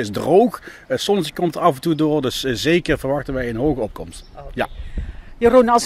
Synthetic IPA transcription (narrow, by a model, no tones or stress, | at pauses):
ɪzdrowx | sɔnəsɪkːɔmtəɑfɛntudʊːrdɵszejkərvəɹʋɑχtənʋɛjənɦowɣəɔp̚kɔmstja | jəronɑs